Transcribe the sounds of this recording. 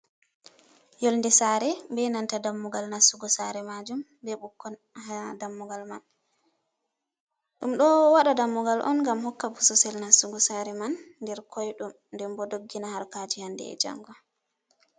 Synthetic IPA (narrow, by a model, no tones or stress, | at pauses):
jolndɛsaɾɛbɛnantadamːuɡalnasuɡɔsaɾɛmad͡ʒum | bɛɓukːɔn | adamːuɡalman | ɗumɗɔwaɗadamːuɡalʔɔ̰nŋɡamhɔkːabusɔsɛlnasuɡɔsaɾɛmanːdɛɾkʰɔjɗum | ndɛmbɔdoɡːinahaɾkad͡ʒihandɛ̰ɛ̰d͡ʒa̰ŋɡɔ